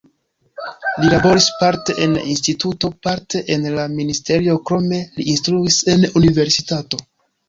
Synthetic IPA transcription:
lilabo̞ɾispaɾte̞ʔenla̰ʔinstituto̞paɾte̞ʔenlaministe̞ɾio̞kɾo̞me̞liːnstɾuise̞nunive̞ɾsitato̞

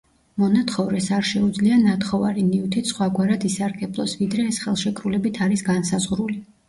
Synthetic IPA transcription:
mɔnat̪χɔvɾɛsaɾʃɛud̪zlianat̪χɔva̰ɾiniut̪ʰisχwaɡwaɾad̪isaɾɡɛblˠɔ̰svid̪ɾɛːsχɛlˠʃɛkʼɾulɛbit̪ʰaɾisɡansazʁɾuli

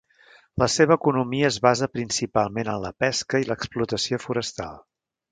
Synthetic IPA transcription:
ləseβəːkunumiəːzβazəpɾinsipalˠmenənləpɛskəiləksplut̪əsiofuɾəst̪a̰lˠ

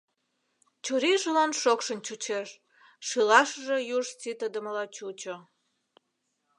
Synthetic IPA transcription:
t͡ɕuɾiʒəlɑnʃokʃənt͡ɕut͡ɕeʃ | ʃilɑʃəʒe̽juʒt͡sit̪əd̪ə̆məlɑt͡ɕut͡ɕo

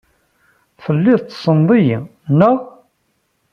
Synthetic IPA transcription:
θəlːɪðˤt̪ːsˤənðˤijnæ

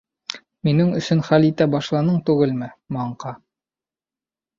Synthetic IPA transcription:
minɘŋɵ̆sɵnχælit̪æbɑʃlˠɑnɤɴt̪ʉɡɘlmɘmɑɴqɑ

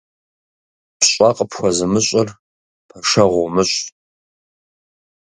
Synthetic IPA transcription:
pʰɕʷʼɑːqʼəpxʷɔzɨmɨɕʼɪr | pʰɐʂɐʁʷʊmɨɕʼ

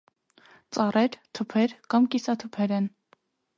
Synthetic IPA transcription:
t͡sɑrɛɾt̪ʰupʰɛɾkɑmkisɑt̪ʰupʰɛɾɛn

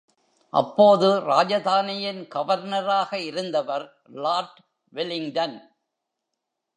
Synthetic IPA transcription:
ʔɐ̰pːoːðɯɾaːd͡ʒɐðaːnɪjɪnɡɐʋɐɾnɐɾaːɣɐɪɾɯnd̪ɐʋɐɾ | laːɾʈ | ʋɪlɪŋd̪ɐn

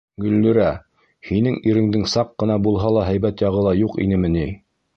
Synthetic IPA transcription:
ɡɵ̆lːɵ̆ɾæ | hinɘŋiɾɘ̆ŋd̪ɘŋsɑqːɤ̆nɑbulˠɦɑlˠɑɦæjbæt̪jɑʁɤ̆lˠɑjuqḭnɘmɘ̆ni

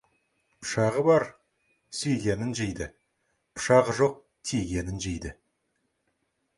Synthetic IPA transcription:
pʰʊ̥ʃɑʁəbɑɾ | sejɡʲenɪnʒejd̪ɪ | pʰʊ̥ʃɑʁəʒoq̚ | t̪ʰejɡʲe̞nɪnʒejd̪ɪ

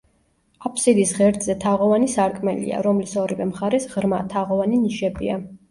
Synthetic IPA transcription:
apʰsid̪isʁɛɾd̪zɛt̪ʰaʁɔvanisaɾkʼmɛlḭa̰ɾɔmlisɔɾivɛmχaɾɛsʁɾmat̪ʰaʁɔvaniniʃɛbḭa

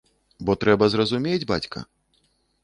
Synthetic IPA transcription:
bɔt̪ɾɛbɐzrɐzumʲed͡zʲba̰t͡sʲkʰɐ̰

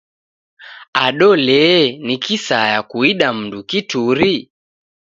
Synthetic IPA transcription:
aɗɔlɛnikisajakuiɗam̩ndukituɾi

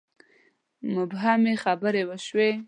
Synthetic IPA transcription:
mʊbɦameχabəɾewəʃwe

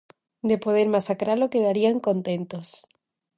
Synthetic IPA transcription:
d̪e̞poð̞eɾmasakɾalokeðaɾiaŋko̞nt̪ent̪os

